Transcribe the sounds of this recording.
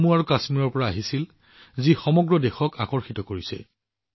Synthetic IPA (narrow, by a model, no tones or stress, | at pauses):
muaɹukasmiɹɔɹpɔɹaaɦisil | zixɔmɔɡɹɔdexɔka̰kɔɹxitɔkoɹisɛ̰